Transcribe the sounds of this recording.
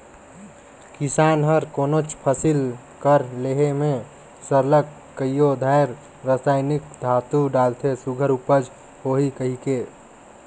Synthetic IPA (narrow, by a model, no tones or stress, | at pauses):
kisanɦəɾkonot͡ʃʰpʰəsil | kəɾleɦeme | səɾləkːəjjod̪ʱajɾ | ɾasajnik̚d̪ʱat̪uɖalt̪ʰesuɡʱəɾupəd͡ʒʱ | hoɦikəɦike